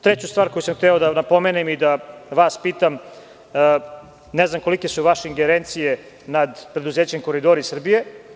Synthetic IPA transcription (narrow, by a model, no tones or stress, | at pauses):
t̪ɾet͡ɕust̪ʋaːɾkojusamxt̪eod̪anapo̞menemid̪aʋaːspiːt̪amː | neznamko̞like̞suʋaʃeiŋɡeɾent̪sije̞ | nad̪pɾe̞d̪uzeːt͡ɕemko̞ɾid̪oɾisr̩bije̞